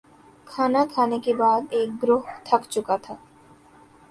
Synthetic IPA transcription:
kʰanakʰanekebad̪ek̚ɡɾoɦt̪ʰakt͡ɕukat̪ʰa

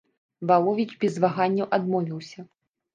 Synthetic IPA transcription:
vaw̪ˠɔvʲid͡ʒbʲɛzvaɣanʲːɐwʔad̪mɔvʲiwsʲɐ

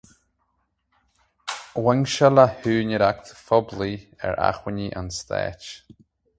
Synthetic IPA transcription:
wɛŋʃalahʉːnəɾak̚t̪fɔbliɛ̰ɹa̰xwɪniʔanst̪ɛ̰ːt͡ʃ

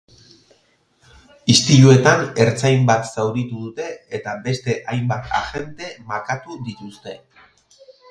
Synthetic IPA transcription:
ist̪iʎue̞t̪ane̞ɾt͡sajmbat̪sawɾit̪uðut̪e̞ːt̪abe̞st̪e̞ʔajmbat̪a̰ʝe̞nt̪e̞maɾkat̪ud̪it̪ust̪e̞

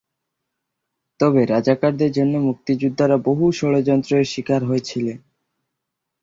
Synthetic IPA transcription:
t̪ɔbeɾad͡ʑakaɾd̪eɾd͡ʑonːomuk̚t̪id͡ʑud̪ʱːaɾaboɦuʃɔɽod͡ʑɔnt̪ɾoeʃikaɾɦoet͡ɕʰilen

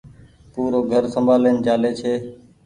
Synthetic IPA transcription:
puːɾoːɡʱəɾsəmbʱaːleːnd͡ʒaːleːt͡ʃʰeː

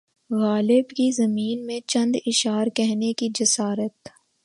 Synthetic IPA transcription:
ɣaːlɪbkizɐmiːnmẽt͡ʃɐ̃nd̪ɪʃaːɾkɛɦnekid͡ʒɐsaːɾət̪

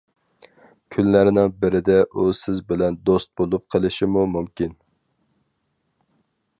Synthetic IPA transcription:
kʲʰynlæɾɪnɪŋbɪɾɪd̪ɛʔusɪzbɪlɛnd̪ost̪̚bolˠup̚qʰəlˠɪʃimumumkʲin

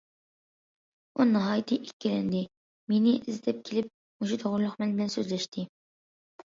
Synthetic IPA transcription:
unɨɦɑːjt̪ʰɨʔikʲːilɛnd̪ɪ | menɪʔɪzd̪ɛp̚kʲʰelɪp̚ | uʃut̪ʰoʁʊɾlˠʊχmɛnbɪlɛnsøzlɛʃt̪ʰɪ

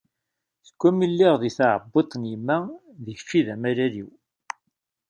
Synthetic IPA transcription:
θə̥kʷːæmilːiʁðiθaʕə̰bːit̪ˤːnjimːæ | ðəçə̥fːiðæmæɾæɾiw

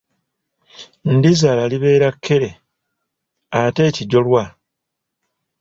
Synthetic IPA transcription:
n̩dizalaliβe̞ːɾakʰːeɾe̞ | ate̞ːciɟo̞lwa

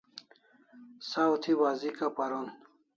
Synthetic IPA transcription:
sawt̪ʰiwazikapɐɾon

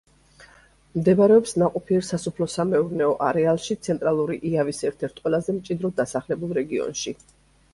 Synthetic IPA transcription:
md̪ɛbaɾɛɔpsnaqʼɔpʰiɛɾsasupʰlɔsamɛuɾnɛɔʔaɾɛalˠʃit̪sʰɛnt̪ʼɾalˠuɾiʔiavisɛɾt̪ʰɛɾt̪ʰqʼwɛlˠazɛmt͡ʃʼid̪ɾɔd̪asaχlɛbulˠɾɛɡiɔ̰nʃi

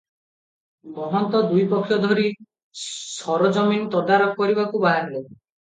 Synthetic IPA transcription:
bɔɦɔnt̪ɔd̪ujpɔkʰːjɔd̪ʱɔɾi | sɔɾɔd͡ʒɔminɔt̪ɔd̪aɾɔb̚kɔɾibakubaɦaɾle

